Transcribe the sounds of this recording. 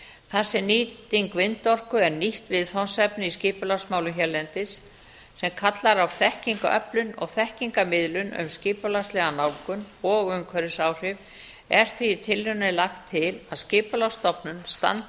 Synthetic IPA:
θasːɪniːt̪iŋkvɪnt̪ɔr̥kʏɛɾniht̪vɪðθɔwnsɛpnɪiscɪːpʏlawsmaːwlʏnçɛɾlɛnt̪ɪsː | ɛmkʰat̪laɾawθɛhciŋkaʔœ̰plʏnɔ̰ɣθɛhciŋkamɪðlʏnʏ̰mscɪːpʏlast̪lɛɣanaːwkʏn | ɔɣʏmkʰœɾɪsaːwr̥ɪv | ɛɾ̥θviːt̪ʰɪlːʏnɪlaxt̪ʰːɪlaðscɪːpʏlawst̪ɔpnʏnst̪a̰nt̪

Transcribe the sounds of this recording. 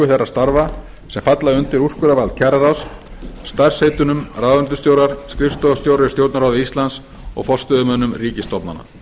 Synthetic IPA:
ʏθejrḁst̪aɾva | sɛmfat̪laðɪʏnt̪ɪɾuskʏɾavalcʰɛɾaɾaws | st̪ar̥shejt̪ʏnʏmraːðvʏnt̪ʏ̥st̪jowɾðaɾ̥skɾɪfst̪ɔast̪jowɾaɪ̥st̪joːwt̪naɾaːwðʏist̪lans | ɔ̰ɣfɔr̥st̪œðʏmœnʏmriːcɪst̪ɔpna̰na̰

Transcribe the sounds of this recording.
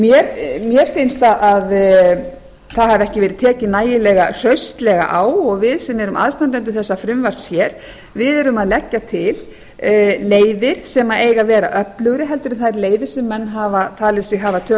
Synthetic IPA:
mjɛɾmjɛɾ̥fɪnst̪aðʔað | θaðhavɛhcɪvɛːɾɪðt̪ʰɛːcɪnaːjɪlɛɣar̥œɥst̪lɛɣa̰ʔaːwɔɣvɪðsɛmːɛɾʏmʔa̰ðst̪ant̪ɛnt̪ʏθɛsːafɾʏmvaɾ̥sjɛɾ̥ | vɪðɛɾʏmaðlɛcːat̪ʰɪl | leːjvɪɾ̥sɛmaeːjɣavɛːɾa̰ʔœplʏɣɾɪɦɛlt̪ʏɾʏnθajɾleːjvɪɾ̥sɛmːɛnːɦaːvat̪ʰaːlɪsɪɣɦavat̪ʰœ

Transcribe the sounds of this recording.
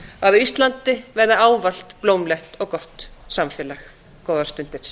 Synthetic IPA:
aðʏist̪lant̪ɪvɛɾðɪaːwval̥t̪plowmlɛht̪ɔɣkɔht̪samfjɛːlax | kɔːwðaɾ̥st̪ʏn̥t̪ɪɾ̥

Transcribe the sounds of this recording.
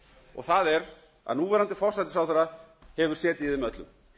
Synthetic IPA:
ɔ̰ɣθaðɛɾ | a̰ðnuːvɛːɾant̪ɪfɔr̥sat̪ɪsaw̪θɛɾa | hɛvʏɾ̥sjɛːt̪ɪiðɪmœt̪lʏm

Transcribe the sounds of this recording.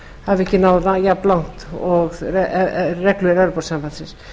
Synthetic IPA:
havɛhcːɪnawðnajaplawn̥t̪ɔɣɛrɛkluɛɾɛɾpɔɾsampansɪ̃ns

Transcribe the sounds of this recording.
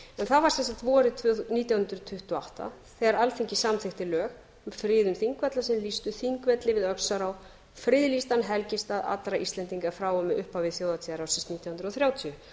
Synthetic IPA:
ɛnθavaɾ̥sɛnsalt̪vɔɾɪt̪ʰniːt̪jawhʏnd̪ɾʏt̪ʰʏht̪ʏɔa̰wht̪a̰θeɣaɾalθeɲcɪsamθɪxt̪ɪlœːɣ | mfɾɪːðʏmθiŋkvɛt̪lasɛmlist̪ʏθiŋkvɛt̪lɪvɪðœksaɾaw | fɾɪːðlist̪anɦɛlcɪst̪aða̰t̪ɾaʔist̪lɛnt̪iŋkafɾaːwɔmɪʔʏhpawvɪθjoːwðat̪ʰiðaɾawsɪnst̪niːt̪jahʏnd̪ɾɔθɾjaːwt̪ʰiʏ

